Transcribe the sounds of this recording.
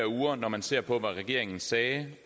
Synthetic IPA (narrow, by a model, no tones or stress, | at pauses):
ɐuːɐnɒmænse̝̰ɐ̰pʰɒ̽ʋæʁɛɡ̥e̝̰ɐ̰eŋn̩sɛː